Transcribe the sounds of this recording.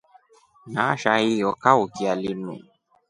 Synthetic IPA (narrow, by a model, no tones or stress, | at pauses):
naʃaijɔkaukialinṵ̃